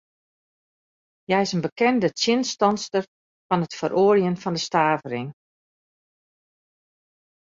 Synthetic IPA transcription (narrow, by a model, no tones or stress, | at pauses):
jɛjɪsənbəkɛndət͡sjɪnstɑnstər | fɔnətfəɾʔoːljənfɔndəstaːvəɾɪŋ